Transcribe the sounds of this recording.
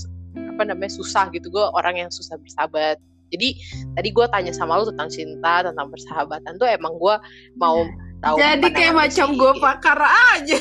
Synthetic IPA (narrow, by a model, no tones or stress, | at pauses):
apanamaɲasusahɡit̪uɡuaʔoɾʔaŋjaŋsusahbərsabat̪̚ | d͡ʒadit̪adiɡuat̪aɲasamalut̪ət̪aŋt͡ʃint̪at̪ənt̪aŋpərsəɦabat̪ant̪uemaŋɡua | maʊt̪aud͡ʒadikajamat͡ʃamɡuapakaɾad͡ʒa